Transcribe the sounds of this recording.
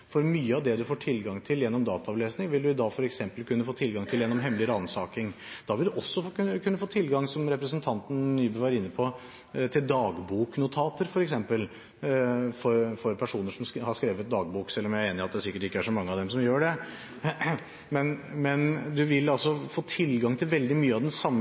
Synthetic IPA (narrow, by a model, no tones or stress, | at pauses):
fɔɾmyːəɑʋd̪ɛd̪ʉfoːʈʰɪlɡɑŋt̪ʰɪljɛnːɔmd̪ɑːt̪ɑɑʋleːsnɪŋʋɪld̪ʉɪd̪ɑːɡfɔɾɛksɛmpəlkʉnːəfoːt̪ʰɪlɡɑŋt̪ʰɪljɛnːɔmɦɛməlɪəɾəɑnsɑːkɪŋd̪̥ɑːʋɪld̪ʉʔɔsːɔkʰʉnːəfoːt̪ʰɪlːɡɑŋsɔmɾɛpɾəsənt̪ʰɑnt̪n̩nyːbøːʋɑɾɪnːəpʰɔ | t̪ʰɪld̪ɑːɡbuːknʊt̪ʰɑːt̪əɾfɔɾɛksɛmpəl | fɔɾfɔɾpʰæʂuːnəʂɔmhɑʂskɾeːʋət̪̚d̪ɑːɡ̚buːksɛlːɔmjæɪɾeːnɪɑt̪̚d̪ɛsɪkːəʈɪkːəæʂɔmɑŋːəɑʋd̪ɛmsɔmjøːɖɛ | mɛnmɛnd̪ʉʋɪlːɑlsɔfoːt̪ʰɪlɡɑŋt̪ʰɪlʋɛld̪ɪmyːəɑʋd̪ɛnsɑmː